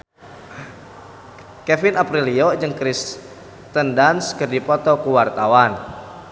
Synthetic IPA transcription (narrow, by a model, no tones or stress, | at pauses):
kɛfinapɾiliɔd͡ʒɨŋkɾis | t̪əndanskərdipɔt̪ɔkuwart̪awan